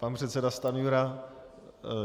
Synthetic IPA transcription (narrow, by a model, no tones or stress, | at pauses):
panpr̥ɛt̪sɛdast̪anjuɾa